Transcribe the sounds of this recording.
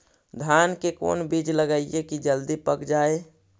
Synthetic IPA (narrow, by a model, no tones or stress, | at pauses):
d̪ʱaːnkeko̰ːnbid͡ʒləɡəiekid͡ʒəld̪ipəkd͡ʒaːe